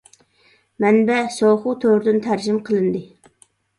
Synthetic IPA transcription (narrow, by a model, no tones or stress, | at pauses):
mɛnbɛsoχut̪ʰøɾd̪ynt̪ʰæɾd͡ʒɪmqʰəlˠɨnd̪ɨ